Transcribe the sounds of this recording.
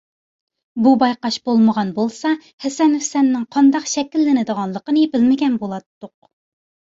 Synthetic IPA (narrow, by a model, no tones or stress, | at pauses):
bubɑjqɑʃb̥olˠməʁɑnbolˠsɑ | hɛsɛnufsɛnːɪŋqʰɑnd̪ɑqʃɛkʲilːɪnɪd̪əʁɑnlˠəqənɨbɪlmɪɡʲɛnbolˠɑt̪ːʊq